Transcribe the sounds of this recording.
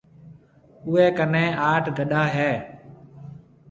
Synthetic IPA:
ʊeːkənẽːʔaːʈʰɡʱəɗaːɦɛː

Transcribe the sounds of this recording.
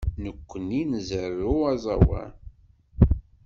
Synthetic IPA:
nəkʷːəninzərːuɑzˤɑ̰wæ̰

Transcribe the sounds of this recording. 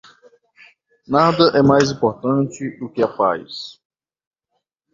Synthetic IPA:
nad̪ɐʔɛmajzĩpoɾt̪ɐ̃nt͡ʃɪd̪ʊkɪɐpa̰js

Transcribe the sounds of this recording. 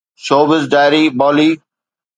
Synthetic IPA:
ʃoːbɪzɖaːɪɾiːbɔːliː

